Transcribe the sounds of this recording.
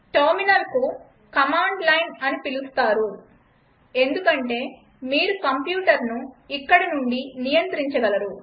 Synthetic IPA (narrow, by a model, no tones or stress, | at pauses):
ʈɐɾminɐlku | kɐmaːɳɖlɐjnɐnipilust̪aːɾu | e̞nd̪ukɐɳʈe̞ː | miːɾukɐmpjuːʈɐɾnuikːɐɽinuɳɖinijɐnt̪ɾiɲt͡ʃɐɡɐlɐɾu